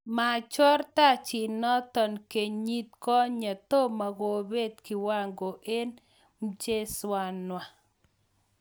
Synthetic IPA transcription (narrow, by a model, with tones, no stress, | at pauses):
ma˨t͡ʃɔ˦rt̪a˦t͡ʃɪ˨nɔ˦t̪ɔ˨nke˨ɲɲi˦t̪kɔ˦ɲa˨t̪o˦ma˨ɡo˨be˦d̪kɪ˨wa˦˨ŋɡo˨ʔe˦n | m̩˦t͡ʃe˦swa˨nwa˨